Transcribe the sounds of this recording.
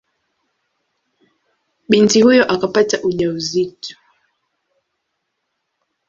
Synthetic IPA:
ɓintihujɔʔakapataʔuʄauzitu̥

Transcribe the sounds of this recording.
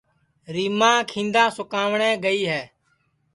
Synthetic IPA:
ɾiːmãːkʰĩːnd̪ãːsʊkaːʋɳɛːɡəiːɦɛː

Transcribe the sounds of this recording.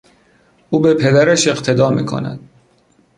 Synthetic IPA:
ʔuːbe̞pʰe̞d̪æɾæʃe̞ɣt̪ʰe̞d̪ɒːmiːkʰo̰næ̰d̪̥

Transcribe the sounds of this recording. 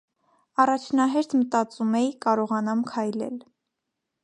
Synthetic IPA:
ɑrɑt͡ʃʰnɑɦɛɾt̪mət̪ɑt͡sumɛjikɑɾɔʁɑnɑmkʰɑjlɛ̰l

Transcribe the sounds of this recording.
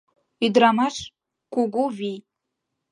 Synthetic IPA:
id̪ɾamaʂ | kuɡuvi

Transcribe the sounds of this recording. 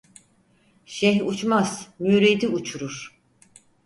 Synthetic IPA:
ʃɛɦut͡ʃmaz̥myɾed̪iut͡ʃʰuɾuɾ̥

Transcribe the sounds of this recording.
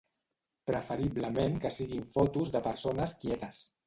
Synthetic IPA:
pɾəfəɾiβləmeŋkəsiɣiɱfɔt̪uzðəpəɾsonəskjɛt̪əs

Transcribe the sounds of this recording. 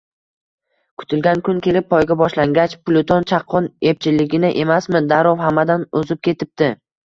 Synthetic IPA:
kʰʊ̥t̪ʰɪlɡʲankʰʊŋkʲʰe̞lɪp̚ːʰɒjɡʲabɒʃlaŋɡʲat͡ʃplˠʊt̪ʰont͡ʃʰaqʰːɒnep̚t͡ʃʰɪlːɪɡʲɪnɪʔemasmɪd̪aɾɒwhamːad̪anɵzɪp̚kʲʰe̞t̪ʰɪp̚t̪ɪ

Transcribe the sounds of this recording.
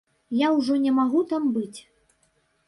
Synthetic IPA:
jawʐɔnʲɛmaɣut̪ambɨt͡sʲ

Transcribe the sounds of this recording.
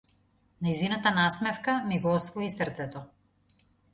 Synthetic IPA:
najzinat̪anasmɛfkamiɡɔɔsvɔisrt̪sɛt̪ɔ

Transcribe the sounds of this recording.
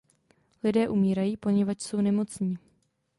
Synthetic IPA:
lɪdɛːʔumiːɾajiːpo̞ɲɛvat͡ʃso̞wnɛmo̞t͡sɲi

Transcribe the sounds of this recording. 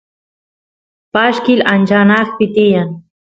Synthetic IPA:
paʃkɪlant͡ʃanɑχpɪt̪ɪjaŋ

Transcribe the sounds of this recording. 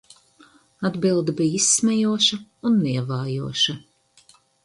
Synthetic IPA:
ad̪bilˠd̪ibijisːmʲɛjuɔʃɐunːiɛvaːjuɔʃɐ

